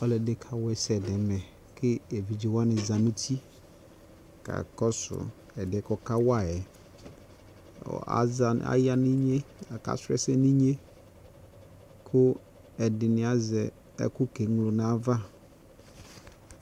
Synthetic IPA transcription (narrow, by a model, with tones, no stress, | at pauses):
ɔ˦lɛ˨dɪ˦kʰa˨wɛ˨sɛ˨dɛ̃˨mɛ̃˨ | kʰɪ˦e˨vi˨d͡ʒi˨wa˦nɪ̃˨zã˨nʊ̃˦tʰi˦ | kʰa̰˨kɔ˦sʊ̰˨ | ɛ˨dɪ˨˦kɔ˦kʰa˦wa˦˨ɛ˨ | ɔ̰˨a̰˦a˨a̰˦ja˦nĩ˦ɲe˦a˨ka̰˦˨sɾɛ̰˦sɛ˦nĩ˦ɲẽ˦ | kʰʊ˦ | ɛ˨dɪ˨nɪ̃˨˦a˨zɛ˨ | ɛ̰˦kʊ˦ke˨˦ŋ˨lo˨n˨a˦va˦